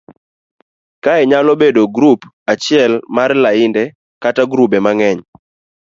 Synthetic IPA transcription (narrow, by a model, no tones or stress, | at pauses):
kaɛɲalɔbedoɡɾup | at͡ʃɪɛlmarlaɪndɛ | kataɡɾubɛmaŋɛɲ